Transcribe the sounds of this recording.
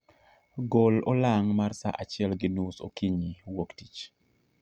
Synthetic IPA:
ɡolɔlaŋmarsa̰ʔat͡ʃɪɛlɡɪnuso̰kiɲiwoktit͡ʃ

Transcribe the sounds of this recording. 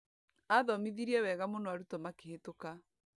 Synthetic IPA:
aðɔmiðiɾiɛwɛɣamonɔaɾutɔmakehetoka

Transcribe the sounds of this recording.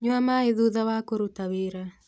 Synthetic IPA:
ɲwamaeðuðawakoɾutaweːɾa

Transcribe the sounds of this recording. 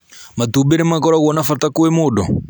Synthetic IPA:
mat̪ubenɛmakɔɾaɣɔnafat̪akuwemʊdɔ

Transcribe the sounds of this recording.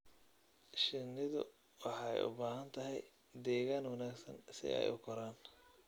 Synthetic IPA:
ʃɪnːɪðʊ̰ | wɑħɑ̰jʊ̰baːɦɐnt̪ʰɐɦɛj | d̪ɛːɣaːnwɑnaːɡsɐ̰nsɪ̰ɛ̰jʊkʰɔɾaːn

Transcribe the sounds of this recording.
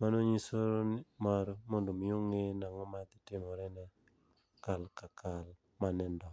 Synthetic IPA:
manoɲisoɾnimaɾmondumjuŋenaŋomat̪itimoɾene | kalkakal | manɛndo

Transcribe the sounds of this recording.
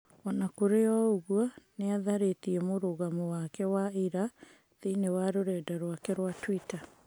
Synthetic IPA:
ɔnakoɾeɔoɣwɔneaðaɾetiɛmoɾoɣamɔwakɛwaiɾa | ðeinewaɾoɾɛːdaɾwakɛɾwatwita

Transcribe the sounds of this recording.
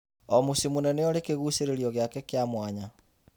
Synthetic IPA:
ɔmusimunɛnɛɔɾekeɣuseɾeɾiɔɣjakɛkjamwaɲa

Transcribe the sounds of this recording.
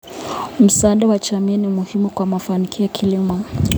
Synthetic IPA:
m̩saɗawat͡ʃamiːnimuhimukwamafanikʰiɔkʰilimɔ

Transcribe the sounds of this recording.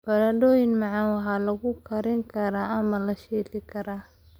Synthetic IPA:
b̥ɐlɐdɔːjɪnmɑʕɑnwɑħɑːlɐɣʊkʰɐɾɪŋkʰɐɾaːʔɐmɐlɐʃiːlɪkʰɐɾaː

